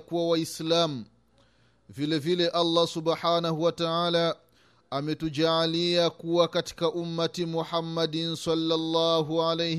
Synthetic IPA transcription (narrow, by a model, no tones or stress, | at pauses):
kuwawaislamu | vilɛvilɛʔalˤːɑsubħaːnahuwataʕaːlaː | mɛtud͡ʒaːliakuwakati̥kaʔumːatimuħamːadinsalːalˤːaːɦuʕalɛj